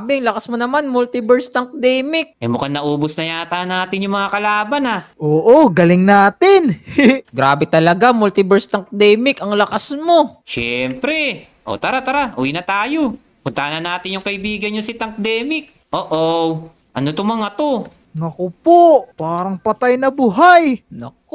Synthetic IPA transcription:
bɛŋlɐkasmonɐmanmult̪ɪbɛɹst̪ɐŋk̚d̪ɛːmɪk̚ʔɐjmʊkɐnɐʔoːbosnɐjaːt̪anaːt̪ɪnjʊŋmɐŋakɐlaːbɐnaʔoːʔoɡɐlɪŋnaːt̪ɪnɡɾaːbɛt̪ɐlɐɡamult̪ɪbɛɹst̪ɐŋk̚d̪ɛːmɪkɐŋlɐkasmo̞ʃɛmpɾɛ | ʔo̞̰t̪ɐɾat̪ɐɾaʔuwinɐt̪aːjo̞ | pʊnt̪anɐnːaːt̪ɪnjʊŋkɐʔɪbiːɡɐnɲosɪt̪ɐŋk̚d̪ɛːmɪk̚ | ʔoːʔo | ʔɐnot̪omɐŋɐt̪o | nɐkopoʔpaːɾɐŋpɐt̪ajnɐbuɦajnɐ̰k

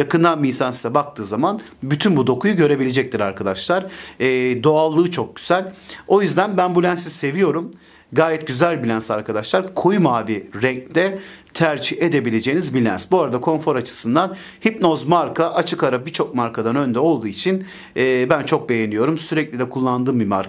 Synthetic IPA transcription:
jakɯnd̪anmiːsansɯzabak̚t̪ʰɯːzaman | byt̪ʰynbud̪o̞kujuɟø̞ɾe̞bilʲe̞d͡ʒɛc̚t̪ʰiɾaɾkʰad̪aʃlˠaɾː | d̪o̞alˠːɯːt͡ʃʰo̞k̚ɟ̥yz̥ælʲo̞jyzd̪ænbænbulʲænsise̞vijo̞ɾum | ɡaːjɛt̪̚ɟyzælʲbilʲænsaɾkʰad̪aʃlˠaɾkʰo̞jumaːbiɾɛɲcd̪ɛt̪ʰæɾd͡ʒie̞d̪e̞bilʲe̞d͡ʒe̞jinizbilʲænsbuaɾad̪akʰo̞nfo̞ɾat͡ʃʰɯ̥sɯnd̪an | hipno̞zmaɾkʰaʔat͡ʃʰɯkaɾabiɾt͡ʃʰo̞k̚maɾkʰad̪anø̞nd̪ɛo̞lˠd̪uːit͡ʃʰinː | bænt͡ʃʰo̞k̚be̞jenijo̞ɾumsyɾɛclʲid̪ɛkʰulˠːand̪ɯːmbima̰ɾ

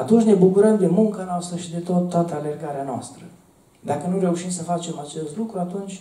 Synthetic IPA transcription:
at̪unt͡ʃʲne̞bukuɾəmd̪e̞muŋkanoast̪ɾəʃid̪e̞t̪oot̪ːoat̪əale̞rɡaɾeanoa̰st̪ɾə | d̪akənuɾe̞uʃimsəfat͡ʃe̞mat͡ʃe̞st̪lukɾuat̪unt͡ʃʲ

